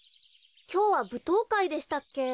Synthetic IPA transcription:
kʲo̞ːβabɯ̟t̪o̞ːkaid̪e̞ɕi̥t̪akːe̞

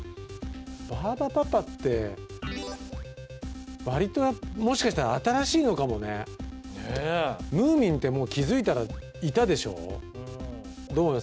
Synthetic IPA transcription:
baːbapapat̪ːe̞ | βaɾʲit̪o̞jamo̞ɕi̥kaɕi̥t̪aɾaːt̪aɾaɕiːno̞kamo̞nḛ | nemɯ̟ːmʲĩnt̪e̞mo̞ːkʲizɨit̪aɾa | it̪ad̪e̞ɕo̞̰ː | d̪oː

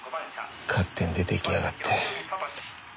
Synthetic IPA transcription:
kʰat̪ʰːend̪et̪ekʲiaɡat̪ʰːe

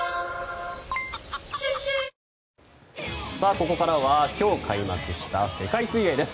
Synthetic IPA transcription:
saːko̞ko̞kaɾaβakʲo̞ːkʰaima̰kɯ̟ɕi̥t̪ase̞kaisɨied̪e̞sɨ̥

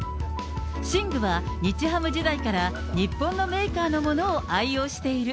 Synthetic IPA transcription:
ɕĩŋɡɯ̟βa | ɲit͡ɕiɦamɯ̟d͡ʑid̪aikaɾa | ɲ̟ipːõ̞nːo̞me̞ːkaːno̞mo̞no̞ːʔaio̞ːɕi̥t̪e̞iɾɯ̟

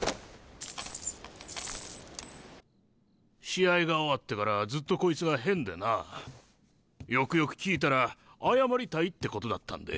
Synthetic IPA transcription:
ɕiaiɡaoβat̪ːe̞kaɾad͡zɨt̪ːo̞ko̞it͡sɨɡaɦẽ̞nd̪ena | jo̞kɯ̟jo̞kɯ̟̥kʲiːt̪̬aɾaajamaɾʲit̪ait̪ːe̞ko̞t̪o̞d̪at̪ːã̰nd̪ḛ

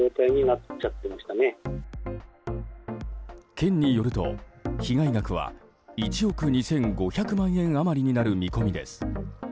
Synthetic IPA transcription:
o̞ːt̪aiɲ̟inat͡ɕat̪ːe̞maɕi̥t̪ane | kẽ̞ɲ̟ːijo̞ɾɯ̟t̪o̞̰çiɡaiɡakɯ̟β̞a̰ | it͡ɕio̞kɯ̟ɲ̟isẽ̞ŋɡo̞çakɯ̟mãɰ̃ẽ̞ɰ̃amaɾʲiɲ̟inaɾɯ̟mʲiko̞mʲid̪e̞̰sɨ̥

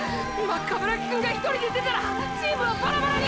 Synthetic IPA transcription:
makːabɯɾakkɯŋɡait̪oɾʲid̪et̪e̞t̪aɾa | t͡ɕiːmɯobaɾabaɾaɲʲi

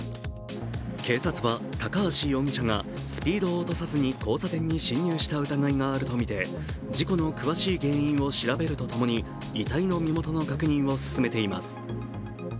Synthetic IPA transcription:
ke̞ːsat͡sɨβat̪akaβaɕijõ̞ŋɕaŋa̰ | sɨ̥pʲiːd̪o̞ːt̪o̞sazɨɲ̟iko̞ːsat̪ẽ̞ɲ̟ːiɕĩɲ̟ːɨːɕi̥t̪aɯ̟t̪aɡaiŋaːɾɯ̟t̪o̞mʲit̪e̞ | d͡ʑiko̞no̞kɯ̟βaɕiːɡẽ̞ːĩɰ̃o̞ɕiɾabe̞ɾɯ̟t̪o̞t̪o̞mo̞ɲ̟iː | t̪aino̞mʲimo̞t̪o̞no̞kakɯ̟ɲ̟ĩɰ̃o̞sɨ̥sɨme̞t̪e̞ima̰sɨ̥

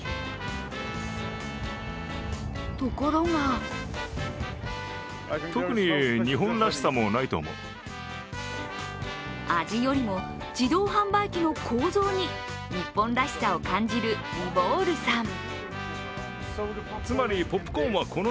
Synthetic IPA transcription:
t̪o̞ko̞ɾo̞ŋa | t̪okɯ̟ɲ̟iɲiɦõ̞nd̪aɕi̥samonait̪o̞̰ːmo̞̰ɯ | ad͡ʑijo̞ɾʲimo̞ | d͡ʑid̪o̞ːɦãmbaikʲino̞kʰo̞ːzo̞ːɲ̟i | ɲ̟ipːõ̞nd̪aɕi̥sao̞kãɲ̟d͡ʑiɾɯ̟bo̞ːɾɯ̟sãm | t͡sɨmaɾʲipo̞pːɯ̥kõːβakʰo̞no

